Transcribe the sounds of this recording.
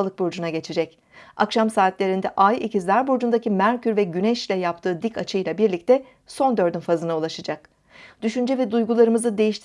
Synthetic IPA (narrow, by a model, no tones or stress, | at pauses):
lˠɯk̚buɾd͡ʒunaɟe̞t͡ʃʰed͡ʒɛc | a̰kʃamsaːt̪lʲe̞ɾind̪ɛʔajicʰizlʲæɾbuɾd͡ʒund̪acimæɾcʰyɾvɛɟynɛʃlʲɛjap̚t̪ʰɯːd̪icʰat͡ʃʰɯjlʲˠabiɾlʲic̚t̪ʰɛ | so̞nd̪ø̞ɾd̪ynfazɯnaulˠaʃad͡ʒak̚ | d̪̥yʃynd͡ʒɛvɛd̪ujɡulˠaɾɯmɯzɯd̪e̞jiʃt̪